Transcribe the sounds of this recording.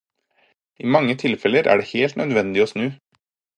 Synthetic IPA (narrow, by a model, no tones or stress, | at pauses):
iːmɑŋːət̪ʰɪlfɛləɾʔæ̰ːɖeːheːlt̪nœd̪ʋɛnd̪ɪoːsnʉː